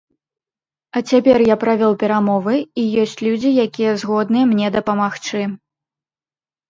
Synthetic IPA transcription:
ɐt͡sʲapʲɛrjapɾavʲɔwpʲɛɾamɔvɨijɔsʲt͡sʲlʲud͡zʲijakʲijɛzɣɔd̪nɨjɛmnʲɛd̪ɐpɐmaxt͡ʂɨ

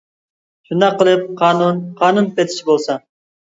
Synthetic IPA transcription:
ʃund̪ɑqːəlˠɨp̚qʰɑːnunqʰɑːnunpɛt̪ʰi̥ʃʰibolˠsɑ

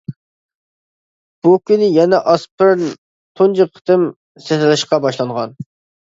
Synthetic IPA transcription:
b̥ukʲynɪjɛnɛʔɑspɪɾn | t̪ʰond͡ʒiqʰːə̥t̪ʰɪm | sɛt̪ɪlɪʃqɑbɑʃlˠɑɴʁɑn

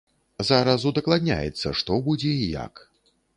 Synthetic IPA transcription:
zaɾazud̪ɐklˠad̪ʲnʲa̰jɛ̰t̪sːɐʂt̪ɔbud͡zʲɛija̰k

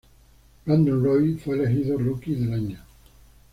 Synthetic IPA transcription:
bɾand̪unrojfweelexiðorukiðelaɲa

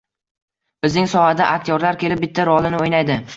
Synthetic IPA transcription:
b̥ɪznɪŋsɒhad̪aʔakʲt̪ʰjɒɾlaɾkʲe̞lɪp̚bɪt̪ʰːaɾɒlˠɪnɪojnajd̪ɪ

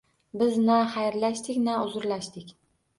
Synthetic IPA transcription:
bɪznaχajɾlaʃt̪ɪkʲnaʊzʊɾlaʃt̪ɪkʲ

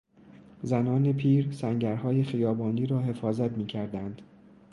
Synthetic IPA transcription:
zænɒːne̞pʰiːɾsæŋɟæɾhɒːje̞χijɒːbɒːnd̪iːɾɒːɦe̞fɒːzæt̪miːcʰæɾd̪ænd̪̥

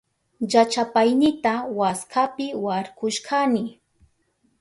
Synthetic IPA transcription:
ʎat͡ʃapajnɪt̪awaskʰapɪwaɾkʊʃkanɪ

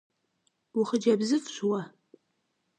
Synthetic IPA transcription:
wʊχəd͡ʒɐbzɨfɕʷwɐ

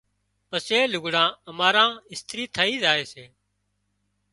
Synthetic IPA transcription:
pəseːlʊɡɽãːəmaːɾãːɪst̪ɾiːt̪ʰəːiːzaːeːseː

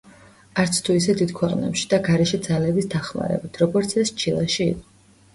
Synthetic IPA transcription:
aɾt̪sʰt̪ʰuisɛd̪id̪̥kʰwɛqʼnɛ̰pʃi̥d̪aɡaɾɛʃɛd̪zalɛbisd̪aχma̰ɾɛ̰bit̪ʰɾɔɡɔɾt̪sʰɛst͡ʃʰilˠaʃiḭqʼɔ

